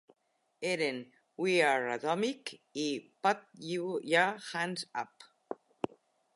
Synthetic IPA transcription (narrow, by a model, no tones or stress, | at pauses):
eɾen | wiaɹat̪ɔmikipat̪̚jujahansa̰p